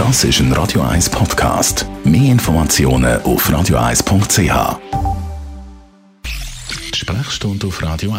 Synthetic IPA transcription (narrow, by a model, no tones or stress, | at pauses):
d̥ɑsɪʃənrʔɑ̰ːd̥joa̰ɪspʰɔtkʰɑ̰ːstmeːɪnfɔɾmat͡sjoːnə̰ʔufraːdjoa̰ɪspʰʊŋkt̚t͡seːhɑ̰ː | tʃpɾaχʃtʊntʊfrɑːdio